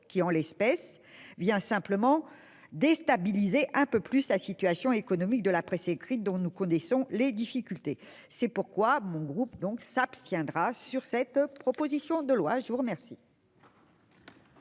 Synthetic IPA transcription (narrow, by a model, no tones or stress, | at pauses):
kʲiɑ̃lɛspɛs | vjɛ̃sɛ̃pləmɑ̃ | d̪est̪abilizeʔɛ̃pøplyslasit̪ɥasjɔ̃ekɔnɔmik̚d̪əlapχɛsekχit̪̚d̪ɔ̃nukɔ̃nɛsɔ̃led̪ifikʲylt̪e | sɛpuʁkwamɔ̃ɡʁupd̪ɔ̃ksapst̪jɛ̃d̪ʁasyʁsɛt̪pχɔpozisjɔ̃d̪əlwaʒəvuʁəmɛʁsi